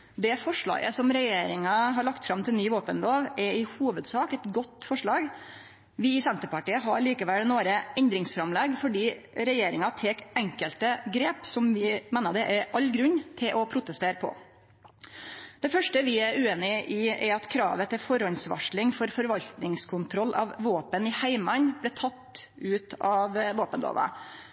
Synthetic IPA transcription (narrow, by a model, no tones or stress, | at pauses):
d̪ɛfɔʂɭɑ̰ːɡəsɔmɾɛjeːɾɪŋɑɦɑɾɭɑkt̪fɾɑmt̪ʰɪlnyːʋoːpənloːʋɛɾɪhuːʋəd̪sɑːkɛt̪ɡɔt̪ːfɔʂɭɑːɡ | ʋɪɪsɛnt̪əpɑʈiːəɦɑɭiːkəʋɛlnoːɾəɛnd̪ɾɪŋsfɾɑmlɛɡfɔɖiː | ɾɛjeːɾɪŋɑt̪ʰeːkɛŋkəlt̪əɡɾeːpsɔmʋɪmɛːnəɖ̪ɛʔæɾʔɑʎːɡɾʉɲːt̪ʰɪlʔɔpʰɾʊt̪əst̪eːɾəpʰɔ̰ | d̪̥ɛfœʂʈəʋɪæɾʉːeːnɪʔɪɛɾɑt̪kʰɾɑ̰ːʋət̪ʰɪfɔɾɔnsʋɑ̰ʂɭɪŋfɔɾfɔɾʋɑlt̪nɪŋskʰʊnt̪ʰɾɔlːʔɑ̰ʋʋoːpənɪhæɪmɑnblɛːt̪ʰɑt̪ːʉːt̪ɑʋʋoːpənd̪o̰ːʋə̰